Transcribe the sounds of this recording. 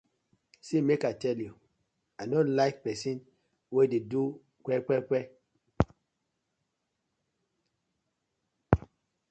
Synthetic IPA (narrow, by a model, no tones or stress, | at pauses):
simekatɛlju | adɔ̃nlaɪk̚pɛsĩn | wededu | kʷɛkʷɛkʷɛ